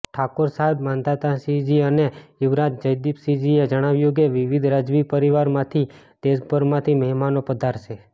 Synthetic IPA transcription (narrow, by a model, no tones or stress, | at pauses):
ʈʰakoɾsaɦebmãnd̪at̪ãsid͡ʒiəneɪʋɾat̪̚d͡ʒəjd̪ipsid͡ʒied͡ʒəɽ̃aʋjũk̬eʋɪʋid̪ʱɾad͡ʒʋipəɾiʋaɾmãt̪ʰi | d̪̥eʃbʱəɾmãt̪ʰiməɦmanopəd̪ʱaɾʃe